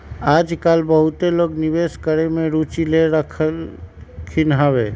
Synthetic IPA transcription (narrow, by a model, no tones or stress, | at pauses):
ad͡ʒkalbəɦut̪eloɡniβeskəɾemeɾut͡ʃileɾəkʰə | kʰinɦabe